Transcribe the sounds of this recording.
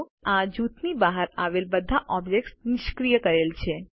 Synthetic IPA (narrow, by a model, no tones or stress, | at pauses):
ad͡ʒut̪nibaɦəɾaʋelbəd̪ʱaʔɔbd͡ʒek̚ʈsnɪʃkɾijəkəɾelt͡ʃʰe